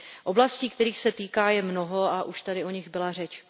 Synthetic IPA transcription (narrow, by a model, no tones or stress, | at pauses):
ʔo̞blasciːk̚t̪ɛɾiːxsɛt̪iːkaːjɛmno̞ɦo̞aʔuʃt̪adɪʔo̞ɲɪɣbɪlarɛt͡ʃ